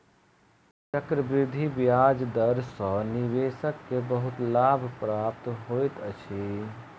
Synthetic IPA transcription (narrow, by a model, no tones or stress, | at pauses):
t͡ʃəkɾəbɾɪd̪ʱːibjaːd͡ʒd̪əɾsɔ̃niʋeːsəkːebəɦʊt̪laːbʱpɾaːpt̪ɦojt̪ət͡ʃʰe